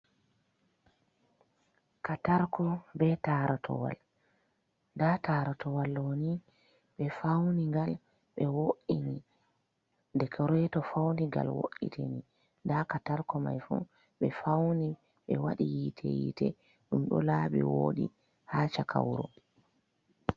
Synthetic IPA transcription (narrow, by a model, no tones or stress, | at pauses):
kataɾkɔbɛtaɾatʰɔ̰wa̰l | ndataːɾatɔwalːoni | ɓɛfawniŋɡal | ɓɛwoʔini | ndɛkʰɔɾɛtɔfawndiɡa̰lwo̰ʔḭtʰḛni | ndakataɾkɔma̰jfṵ | ɓɛfawni | ɓɛwaɗijitʰɛjḭtɛ | ɗumɗɔlaɓɛwoːɗi | hat͡ʃakʰawɾɔ̰